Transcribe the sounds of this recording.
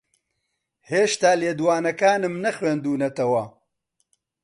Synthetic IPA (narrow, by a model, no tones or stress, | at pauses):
heːʃt̪aːleːd̪uwaːnɐkaːnɨmnɐxweːnd̪uːnɐt̪ɐwɐ